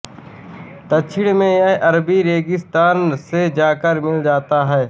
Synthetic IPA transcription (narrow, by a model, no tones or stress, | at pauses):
t̪ət͡ʃʰɪɽmẽjaʔəɾbiɾeːɡɪst̪aːnsed͡ʒaːkəɾmɪld͡ʒaːt̪aɦɛː